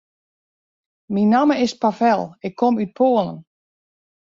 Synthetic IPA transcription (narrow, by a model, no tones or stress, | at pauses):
minːaməɪspafɛlˠɪkʰːɔmyt̚pʰoːəlˠə̰n